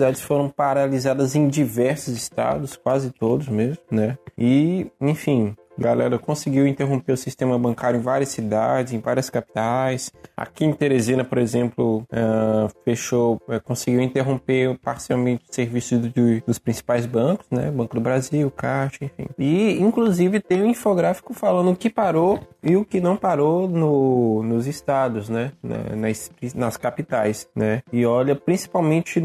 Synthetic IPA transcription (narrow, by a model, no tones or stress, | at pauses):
sid̪ad͡ʒɪsfoɾɐ̃w̃paɾalizad̪ɐzẽj̃d͡ʒivɛɾsʊzɪst̪a̰d̪ʊskwazɪt̪od̪ʊzmezmʊnɛɪẽfĩ | ɡalɛ̰ɾɐkõsɪɡiwĩnt̪eɦõpeɾʊsist̪ẽmɐbɐ̃ŋkaɾjʊẽvaɾiɐsːid̪ad͡ʒɪzẽj̃vaɾiɐskapi̥t̪ajsa̰kĩẽt̪eɾezĩnɐpoɾezẽmplʊɛfeʃoɛkõsɪɡiwĩnt̪eɦõmpepaɾsiawmẽt͡ʃɪʊ̥seɾvisʊzd͡ʒɪd̪ʊspɾĩsi̥pajzbɐ̃kʊ̥znɛ̰bɐ̃kʊd̪ʊbɾaziwkaʃẽfḭ̃ɪĩkluzivɪt̪ẽj̃ũĩfoɡɾafi̥kʊfalɐ̃nd̪ʊʊkɪpaɾoɪʊkɪnɐ̃w̃paɾonʊnʊzɪst̪ad̪ʊznɛnɛ̰nɐspɾĩnɐskapit̪ajsnɛɪɔʎɐpɾĩsi̥pawmẽt͡ʃɪ